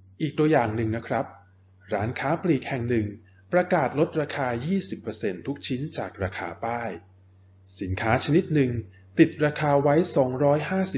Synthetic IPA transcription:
ʔiː˨˩k̚t̪u˧ɐjaː˨˩ŋnɯ˨˩ŋna˦˥kʰɾa˦˥p̚ | ɾaː˩˦˥nkʰaː˦˥pliː˨˩k̚hɛ˨˩ŋnɯ˨˩ŋ | pːɾa˧kaː˨˩t̪̚lo˦˥t̪̚ɾaː˧kʰaː˧jiː˥˩si˨˩pːɤː˧se˧nt̪ʰu˦˥k̚t͡ɕʰi˦˥nt͡ɕaː˨˩k̚ɾaː˧kʰa̰ː˧˥paː˥˩j | si˨˩˦nkʰaː˦˥t͡ɕʰa˧ni˦˥t̪̚nɯ˨ŋ | t̪i˨˩t̪̚ɾaː˧kʰaː˧wa˦˥jsɔː˩˦ŋɾɔː˦˥jɦaː˥˩si˨˩

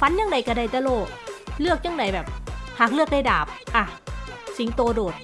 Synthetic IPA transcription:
fa˧˦njaː˧˥˩ŋna˧˩jka˧˩da˧˩jt̪a˧loː˧˩k̚lɯ˥˩ək̚ɲaː˧˩ŋna˧˩jbɛː˨˩p̚haː˨˩k̚lɯ˥˩ək̚da˧˩jdaː˨˩p̚ʔa˧˩si˨˩˦ŋt̪oː˧doː˨˩t̪̚

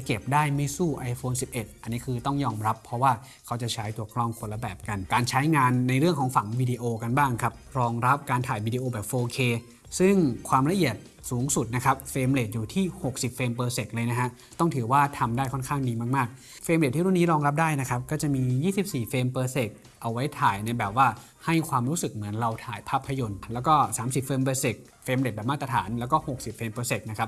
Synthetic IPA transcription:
ke˨˩p̚daː˥˩jma˥˩jsuː˥˩ʔa˧jfoː˧nsi˨˩p̚ʔe˨˩t̪̚a˧nːiː˦˥kʰɯː˧t̪ɔ˥˩ŋjɔː˧mɾa˦˥pʰːɾɔ˦˥waː˥˩ | kʰa˦˥wt͡ɕa˨˩t͡ɕʰa˦˥jt̪u˧˩əkʰlɔ˥˩ŋkʰo˧la˧bɛː˨˩p̚ka˧nkaː˧nt͡ɕʰa˦˥jŋaː˧nːa˧jɾɯ˥˩əŋkʰɔː˩˦ŋfa˨˩˦ŋwiː˧di˧ʔoː˧ka˧nbaː˥˩ŋkʰa˦˥p̚ɾɔː˧ŋɾa˦˥p̚kaː˧nt̪ʰaː˨˩˦jwiː˧diː˧ʔoː˧bɛː˨˩p̚foː˧kʰeː˧ | sɯ˥˩ŋkʰwaː˧mɾa˧ʔi˨˩ət̪̚ | suː˩˦ŋsu˨˩t̪̚na˦˥kʰa˦˥p̚feː˧mle˨˩t̪̚juː˨˩t̪ʰiː˥˩ho˨˩k̚si˨˩p̚feː˧mpɤː˧se˨˩k̚lɤː˧jna˦˥kʰa˦˥ | t̪ɔ˥˩ŋt̪ʰɯː˩˦waː˥˩t̪ʰa˧mdaː˥˩jkʰɔ˥˩nkʰaː˥˩ŋdiː˧maː˥˩k̚maː˥˩k̚ | feː˧mle˨˩t̪ʰːiː˥˩ɾu˥˩niː˦˥ɾɔː˧ŋɾa˦˥p̬̚daː˥˩jna˦˥kʰa˦˥p̚kɔː˥˩t͡ɕa˨˩ʔmiː˧jiː˥˩si˨˩p̚siː˨˩feː˧mpɤː˧se˨˩k̚ | ʔa˧wa˦˥jt̪ʰaː˨˩jna˧jbɛː˨˩p̚waː˥˩ | ha˥˩jkʰwaː˧mɾuː˦˥sɯ˨˩k̚mɯ˩˦ənɾa˧wt̪ʰaː˨˩jpʰaː˥˩pʰːa˧jo˧nlɛː˦˥wkɔː˥˩saː˨˩˦msi˨˩p̚feː˧mpɤː˧se˨˩k̚ | feː˧mle˨˩bɛː˨˩maː˥˩t̪ɾa˧t̪ʰa̰ː˩˦nlɛː˦˥wkɔː˥˩ho˨˩k̚si˨˩p̚feː˧mpɤː˧se˨˩k̪̚na˦˥kʰa˦˥p̚

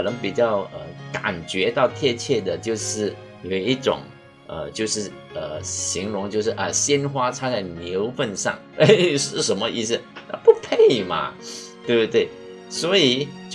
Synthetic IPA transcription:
nə˧˥ŋpi˨˩t͡ɕjɑ˥˩ʊə̰˧ka̰˨˩nt͡ɕɥɛ˧˥t̪ɑ˥˧ʊt̪ʰjɛ˥˧t͡ɕʰjɛ˥˩d̪ə˩t͡ɕjo˥˧ʊʂɻ̩˥˩ | jo˨˩i˥˩ʈ͡ʂʊ̰˨˩ŋ | ə̰˧t͡ɕjo˥˧ʊʂɻ̩˥˩ | ə˧˩ɕi˧˥ŋlʊ˧˥ŋt͡ɕjo˥˧ʊʂ̬ɻ̩˥˩ʔə˧˩ɕjɛ˥nxwa˥t͡sʰa˥t͡sa˥˩ɪnjo˧˥ʊfə˥˧nʂɑ̰˥˩ŋ | e˥˩ɪʂɻ̩˥˩ʂə˧˥nmə˧ʔi˥˩s̩˩a̰˥˧pu˥pʰe˥˩ɪmɐ̰˩t̪we˥˧bt̪we˥˩ɪ | swɔ˧˥i˨˩

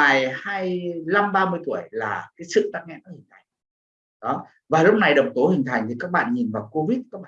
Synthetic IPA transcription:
aː˨˩jhaː˧jla˧mɓaː˧mɨ˧əjt̪u˧˩əjlaː˨˩kaː˨˦jsɨ̰˧˨t̪aː˦˥k̚ŋɛ̰˧˥nɔ˧˨˩hï˨˩ŋ̟t̪ʰa˨˩jŋ | ɗɔ˨˦ | vaː˨˩lʊ˦˥k͡p̚na˨˩jɗə˨˩wŋ͡mt̪o˨˦hï˨˩ŋ̟t̪ʰa˨˩jŋt̪ʰi˨˩kaː˦˥k̚ɓa̰ː˧˨nɲi˨˩vaː˨˩wko˧vi˦˥t̚kaː˦˥k̚ɓaː˧˨

